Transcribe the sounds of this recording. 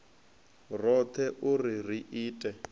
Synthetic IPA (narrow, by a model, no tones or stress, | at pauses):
rɔt̪ʰɛʔurir̤iʔiːtʼɛ